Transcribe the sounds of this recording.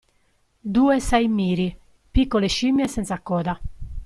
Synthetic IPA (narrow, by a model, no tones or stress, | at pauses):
d̪uːɛsɛjmiːɾi | pikːɔleʃimːjɛsɛnt̪sakːɔːd̪a